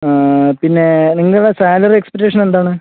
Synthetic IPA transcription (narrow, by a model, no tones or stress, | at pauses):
pinːe̞niŋːɐɭuɽesaːlɐrekspeʈ̬ːeːʂɐnend̪aːɳɨ